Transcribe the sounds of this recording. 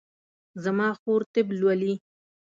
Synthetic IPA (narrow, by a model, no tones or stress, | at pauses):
zamɑxoɾt̪ɪblwali